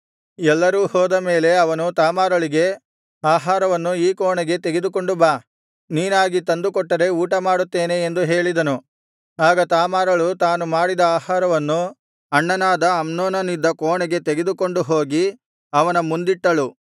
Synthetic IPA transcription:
ɛlːɐɾuːhɔːd̪ɐme̞ːle̞ɐʋɐnut̪aːmaːɾɐɭiɡe̞ | aːɦaːɾɐʋɐnːuiːkɔːɳɛɡe̞t̪eɡe̞d̪uko̞ɳɖubaː | niːnaːɡit̪ɐnd̪ukɔʈːɐɾe̞uːʈɐmaːɽut̪ːe̞ːne̞ːnd̪uɦe̞ːɭid̪ɐnu | aːɡɐt̪aːmaːɾɐɭut̪aːnumaːɽid̪ɐaːɦaːɾɐʋɐnːu | ɐɳːɐnaːd̪ɐːmnoːnɐnid̪ːɐkɔːɳɛɡe̞t̪eɡe̞d̪uko̞ɳɖuɦo̞ːɡi | ɐʋɐnɐmund̪iʈːɐɭu

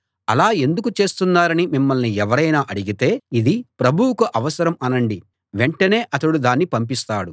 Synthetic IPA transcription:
ɐlaːe̞nd̪ukut͡ʃe̞ːst̪unːaːɾɐnimimːɐlniɛʋɐɾɐjnaːʔɐɽiɡit̪e̞ːid̪ipɾɐbʱuwukɐʔɐʋɐsɐɾɐmɐnɐɳɖi | ʋeɳʈɐne̞ːʔɐt̪ɐɽud̪aːnːipɐmp̬ist̪aːɽu

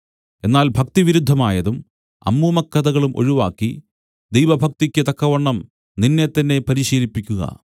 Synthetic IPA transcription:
e̞nːaːlbʱɐkt̪iʋiɾud̪ʱːɐmaːjɐðum | ɐ̰mːuːmɐkːɐðɐɣɐɭumʔo̞̰ɻuʋa̰ːkːi | d̪ejʋɐbʱɐk̚t̪ikʲːɨt̪ɐkːɐʋɐɳːɐm | ninːe̞t̪ːɐnːe̞pɐɾiɕiːlipːikʲːuɣɐ̰

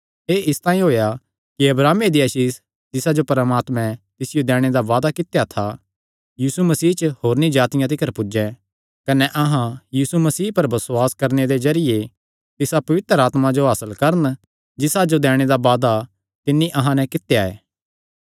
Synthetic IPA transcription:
eːɪst̪ãːĩɦoːja | kiɐbɾaːmed̪iɐʃiːs | d͡ʒɪsad͡ʒopɐɾəmaːt̪mɛ̃t̪ɪsɪjod̪ɛːɽ̃ed̪aʋaːd̪akɪt̪jat̪ʰa | jiːsumɐsiːt͡ʃəhɦoːɾnĩd͡ʒaːt̪ɪjãt̪̬ɪkʰəɾpʊd͡ʒɛ̃ | kɐnɛʔɐɦãjiːsumɐsiːpɐɾbɐsʊaːskɐɾned̪ezɐɾɪje | t̪ɪsapɐʋɪt̪əɾaːt̪mad͡ʒoɦaːsəlkɐɾən | d͡ʒɪsad͡ʒod̪ɛːɽ̃ed̪aʋaːd̪a | t̪ɪnːiʔɐɦãnɛ̃kɪt̪ːejaḛː

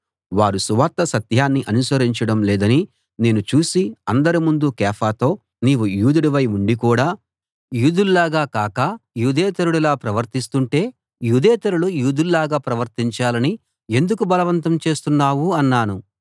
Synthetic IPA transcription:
ʋaːɾusuʋat̪ːɐsɐt̪jaːnːiʔɐnusɐɾiɲt͡ʃɐɽɐmlɛːd̪ɐni | ne̞ːnut͡ʃuːsiɐnd̪ɐɾimund̪ukɛːpʰaːt̪o̞ː | niːʋujuːd̪uɽiʋɐjuɳɖikuːɽaː | juːd̪ullaːɡaːkaːkɐjuːd̪ʱɛːt̪ɐɾuɽɛlaːpɾɐʋɐɾt̪ist̪uɳʈe̞ː | juːd̪ʱɛːt̪ɐɾuɽujuːd̪ullaːɡaːpɾɐʋɐɾt̪iɲt͡ʃaːlɐni | e̞nd̪ukubɐlɐʋɐnt̪ɐmt͡ʃe̞ːst̪unːaːʋuɐnːaːnu

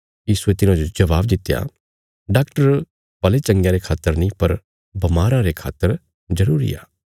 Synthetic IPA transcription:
jiːsuet̪ɪnãd͡ʒod͡ʒɐʋaːbd̪ɪt̪ːja̰ | ɖaːkʈəɾ | pɐlet͡ʃɐ̃ŋɡjãɾekʰaːt̪ːəɾnɐĩpɐɾ | bɐmaːɾãɾekʰa̰ːt̪ːəɾ | d͡ʒɐɾuːɾḭa̰ː

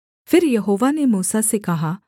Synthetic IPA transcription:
fʰɪɾjɐɦoːʋanemuːsasekɐɦaː

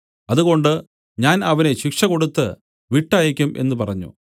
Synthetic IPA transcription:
ɐðuɣo̞ɳɖɨ | ɲaːnɐʋɐne̞ɕikʂɐko̞ɽut̪ːɨ | ʋiʈːaːjikʲːumʔe̞̰nːupɐrɐɲːṵ

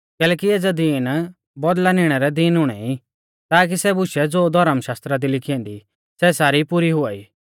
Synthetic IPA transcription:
kɛːlɛːkieːd͡zad̪iːn | bɔd̪lanɪɽ̃ɛɾɛd̪iːnʊɽ̃ɛi | t̪aːk̬isɛbʊʃɛd͡zoːd̪ʱɔɾəmʃaːst̪ɾad̪ilɪkʰijɛ̃nd̪i | sɛsaːɾipʊɾiɦʊaːiː

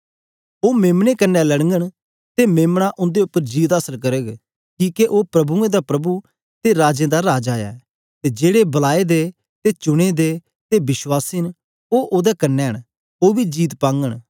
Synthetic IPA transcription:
oːmeːmɽ̃ekənːɛlɐɽ̃ŋɡəɽ̃ | t̪emeːmɽ̃aʔʊ̃nd̪eʊpːəɾd͡ʒiːt̪aːsəlkɐɾəɡ | kiːkeʔoːpɾɐbuẽd̪apɾɐbu | t̪eɾaːd͡ʒẽːd̪aɾaːd͡ʒaːja̰ | t̪ed͡ʒeːɽebɐlaːed̪e | t̪et͡ʃʊɽ̃ed̪e | t̪ebɪswaːsin | oːʔoːd̪ɛkɐnːɛːəɽ̃ | oːbid͡ʒiːt̪pãːŋɡəɽ̃

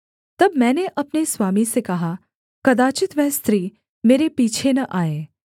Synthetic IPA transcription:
t̪ɐbmɛ̃ːneʔɐpnesʋaːmisekɐɦa | kɐd̪aːt͡ʃɪt̪ʋɛɦst̪ɾiː | meːɾepiːt͡ʃʰenɐʔaːeː

